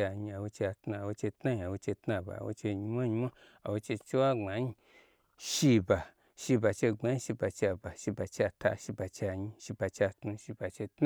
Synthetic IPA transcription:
a˨ɲi˧a˨wo˧t͡ʃe˧a˨tnu˧a˨wo˧t͡ʃe˧tna˦ɲi˧a˨wo˧t͡ʃe˧tna˧˨ba̰˨wo̰˧t͡ʃe˧ɲi˧mʷa˦ɲi˧mʷa˦ | a̰˨wo˧t͡ʃe˧t͡ʃe˦wa˦ŋ͡ma˨˦ɲi˧ | ʃi˧ba˨ | ʃi˧ba˨t͡ʃe˧ŋ͡ma˨˧˦ĩ˦˧ʃi˧ba˨t͡ʃe˧a˧ba˨ʃi˧ba˨t͡ʃe˧a˧ta̰˧ʃi˧ba˨t͡ʃe˧a˨ɲĩ˧ʃi˧ba˨t͡ʃe˧a˧tnu˧ʃi˧ba˨t͡ʃe˧tn

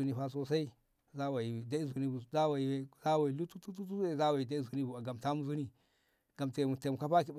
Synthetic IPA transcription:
u˨˦ni˦˨ɸa˦s̬o˦˨sa˦i˦ | za˦wa˨i˨da˦i˦zu˨ni˦u˨za˦wa˨i˨we˦za˦wa˨i˨lu˦tu˦tu˦tu˦tu˦e˦˨za˦wa˨i˨da˦i˦zu˨ni˦bu˨a˨ɡa˨mta˦mu˦zu˦ni˨ | ɡ̥a˨mtmu˨te˨m˨ka˦pa˦k̬i˦b

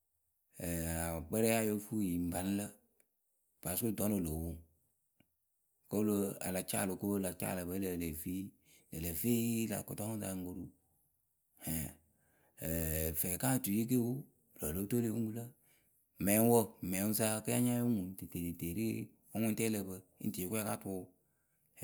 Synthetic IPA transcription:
ɛ˨a˨k͡pɛ˦ɾɛ˦a˦˨jo˦fu˦ji˨m̩˨ba˨n˦lə˦ | pa˨su˦˨dɔ˨˦no˨lo˨wu˦ | ko˦lo˧a̰˨la˨t͡ʃa̰ː˦˨lo˨ko˦o˦la˨t͡ʃa̰ː˦˨lə˨bə˨˦lə˨le˨fi˦ | lə˨le˨fe˦la̰˨ko˨tɔ˦da˨ŋ˦ɡo˧ɾu˦ | hɛ˨ | fɛ˨ka˦˨tu˨ji˦k̬e˦wu˦˨ | lo˨lo˨˦to˦le˦u˦ŋ˦ɡu˦lə˦˨ | mɛ̃˨˦ŋ˦wo˦˨mɛ˨˦ŋ˦s̬a˦kɨ˦ja˦ɲa˦u˦ŋu˨te˨te˨te˨ɾi˦ | o˦ŋũ˦tɛ˦lə˧bə˧ḭ˦ti˨kʷu˦a˦ka˦tu˧˦

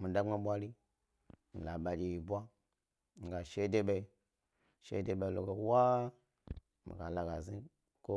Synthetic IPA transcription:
mi˨da˦ŋ͡ma˦ɓʷa˦ɾi˦ | mi˨la˨ɓa˨d͡ʒe˨ji˨bʷa˦ | mi˨ɡa˨ʃe˦de˦ɓe˧i˦ | ʃḛ˦de˦ɓe˨i˨lo˨ɡo˨˦wa˦ | mḭ˨ɡa˨la˨ɡa˨zi˦ | ko˦

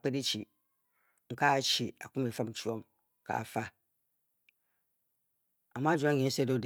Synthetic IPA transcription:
k͡pɛ˦de˦t͡ɕʰi˨ | ŋ̩˨˦kʰa˦˨t͡ɕʰi˨a˨kʊ̃˦mɛ˨fã˦m̩˨t͡ʃʰi˦ɔ̃˦m˨ | kʰa̰ː˨fa˦ | a˨mã˦d͡ʑã˦ɲɪ̃˨˦sɛ˦do˦d

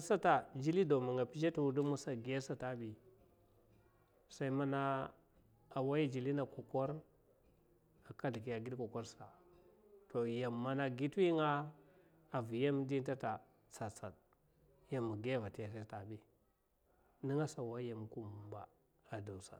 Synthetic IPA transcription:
sa˦ta˨d͡ʒi˦li˦do˨ma˨ŋa˨pi˦d͡ʒa˦tu˨wu˦du˦mu˦sa˨ɡa˦sa˨ta˦bi˨ | sa˦i˦ma˦na˦ | a˨wa˦ji˦d͡ʒi˨li˦na˨ko˨ko˦ɾ | a˨ka˦di˨ki˨ja˨ɡi˦dko˨ko˦ɾsa˨ | to˨ja˨mːa˨na˨ɡi˦ti˦ŋa˦ | a˨vi˨ja˦m˦di˦nta˦ta˨ | t͡sa˨t͡sa˨d | ja˨mːu˨ɡva˨ti˨ja˨s̬a˦ta˨bi˦ | ni˦ŋa˦sa˨wa˦ja˨m˨ku˦mu˨ba̰˨ | a˨da˨wsa̰˨

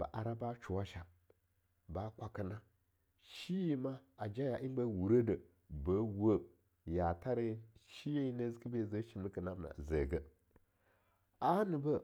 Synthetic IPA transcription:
ba̰˨ʔa˨ɾa˦ba˦t͡ʃu˨wa˦ʃa˨m | ba˦kʷa˨kə˨na˦ | ʃi˦ji˦ma˦a˨d͡ʒa˦ja˨ʔi˦n˦bə˦wu˨ɾə˦də˨ | bə˦wə˦ | ja˨ta˦ɾe˦ʃi˦je˦nə˦zkə˦be˦˨zə˦ʃi˨mi˦kə˨na˦bna̰˨zə˨ɡə˨ | a˦nə˨bə˦

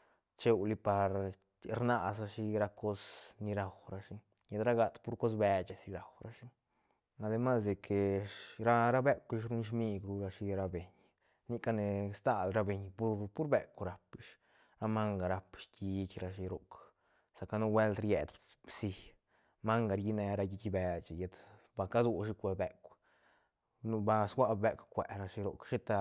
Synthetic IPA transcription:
t͡ʃe˧wli˧pa˨ɾ | ɾna˧sa˧ʃi˦ɾa˧ko˦sni˧ɾa˨wɾa˧ʃi˦ | ɲe˧d̪ɾa˦ɡa˨t̪pu˦ɾko˦s̬be˧t͡ʃa˧si˧ɾa˨wɾa˦ʃi˦ | na˧d̪e˧ma˦sd̪e˨kʰe˨ɾa˦ɾa˦be˦ki˧ʃ̬ɾu˦nʃ̬mi˦˧ɡɾu˧ɾa˧ʃi˧ɾa˧be˨ɲ | ni˦ka˦˧ne˧st̪a˧lɾa˧be˨ɲpu˦pu˦ɾbe˨kʷɾa˧pi˧ʃ | ɾa˧ma˦ŋɡa˨ɾa˧pʃkʲi˧kʲɾa˧ʃi˧ɾo̰˨k | sa˨ka˧nu˦˧we˦lt̪ɾjḛ˨d̪ | bsi˧ | ma˦ŋɡa˨ɾji˧ne˧ɾa˧ji˧t͡ʃʲi˧be˧t͡ʃi˨je˧t̪ | ba˧ka˦d̪u˧ʃi˧kʷe˧be˧kʷ | nu˧ba˧sɡʷwa˦be˧kʷkʷe˨ɾa˧ʃi˧ɾo̰˨kʃi˦t̪a˧

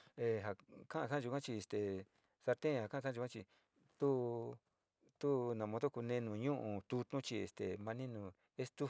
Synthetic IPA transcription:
e˧ɦa˨kã˦ã˧ʂã˦˧u˧kʷã˦t͡ʃi˧e˨st̪e˨ | sa˧ɾt̪ẽ˦˧˨a˨kã˦˧a˦˧u˧kã˦˧t͡ʃi˧ | t̪u˦ | t̪u˦nã˨mõ˧t̪o˦ku˧nẽ˧nũ˨ɲũ˦ʔũ˧˨t̪u˧t̪ũ˦t͡ʃi˧ḛ˨st̪e˨mã˧nĩ˦nũ˨ | e˦st̪u˦

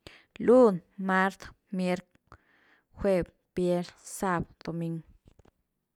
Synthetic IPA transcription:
lu˦nma˦ɾt̪ | mje˦ɾk | xʷe˧b | pje˦ɾsa˦˧bd̪̥o˨mi˦ŋɡ

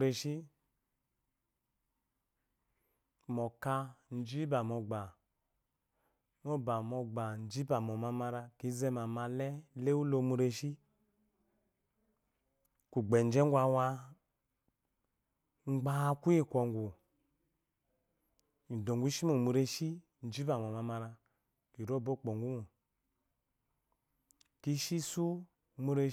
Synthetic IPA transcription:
ɾe˧ʃi˦ | mɔ˨ka˧n̩˦d͡ʒi˦ba˨mɔ˨ɡ͡ba˨ | mo˦ba˨mɔ˧ɡ͡ba˨n˨d͡ʒi˦ba˨mɔ˨ma˧ma˧ɾa˧ki˨˦zɛ˦ma˨ma˧lɛ˦le˦u˦lo˧mu˧ɾe˧ʃi˦ | ku˨ɡ͡bɛ˨n˦d͡ʒɛ˦ŋ˦ɡʷa˧wa˧ | ŋ͡mɡ͡ba˨˦ku˦i˦˨kʷɔ˨ŋɡu˨ | do˨ŋɡu˦ʃi˦mu˨mu˨ɾe˦ʃi˦ | n̩˨˦d͡ʒi˦ba˨m˨ɔ˨ma˧ma˧ɾa˧ | ki˨ɾo˦˨bo˦˨k͡po˨ŋɡu˦mu˨ | ki˦ʃi˦su˦ | mu˧˦ɾe˧

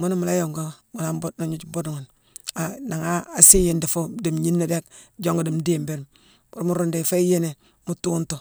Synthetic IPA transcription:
mu˦ni˦mu˨la˦jo˨ŋɡo˦mu˨la˦bo˦na˨ɲu˦t͡ʃbo˦dŋu˨n | a˨na˨ŋaː˦˨si˦je˦nda˨fo˦di˨mɲi˦nːe˦de˦kd͡ʒo˦ŋɡo˨di˨mde˦˨mbe˦ɾ | bu˦ɾmu˦ɾu˦nde˨fa˦i˦je˦ne˨ | mu˦tu˦ntu˨

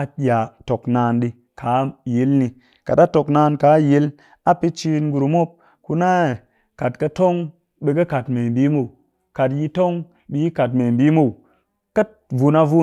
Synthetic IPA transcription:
a˨ɗi˨a˨to˨knaː˨˧nɗi˦ | kʰa˨˦je˨˦lni˨ | ka˨ta˦to˨knaː˧˦nka˨˦je˦l | a˦pe˦t͡ʃi˧nɡu˨ɾu˨mo˦p̚ | ku˦na˦˨ | ka˨tkə˧to˦ŋ | ɓe˨kɐ˦ka˨tme˨mbi˦mo˦u˨ | ka˨tji˧to˦ŋ | ɓi˨ji˦ka˨tme˨mbi˦mo˦u˨ | kə˦t̚ | vu˨na˧vu˦

